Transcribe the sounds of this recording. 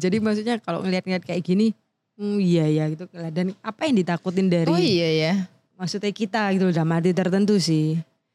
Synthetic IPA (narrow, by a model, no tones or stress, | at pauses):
d͡ʒadimaksuɲakalo̰ŋəliat̪̚ŋliat̪̚kajaɡini | ijajaɡit̪ukəladanapajaŋdit̪akut̪ɪndaɾijaja | maksut̪akit̪aɡit̪uldamat̪̬it̪ərt̪ənt̪̬usɪh